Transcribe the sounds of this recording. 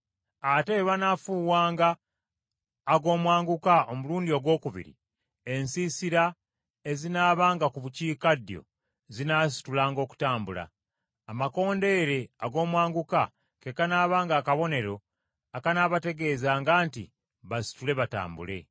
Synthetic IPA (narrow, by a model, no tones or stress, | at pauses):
ate̞βanafuwaːŋɡa | ɡo̞ːmwaːŋɡukao̞muluːndio̞ɡwo̞ːkuβḭɾḭ | e̞nsisiɾa | e̞zinaːβaːŋɡakuβuciːkadjo̞̰ | zinas̬i̥tulaːŋɡo̞ːku̥taːmbula̰ː | mako̞ːnde̞ɾe̞aɡo̞ːmwaːŋɡuka | ke̞kanaːβaːŋɡaːkaβo̞ne̞ɾo̞ | akanaːβate̞ɡe̞ːzaːŋɡaːntḭ | βasi̥tule̞βata̰ːmbṵle̞̰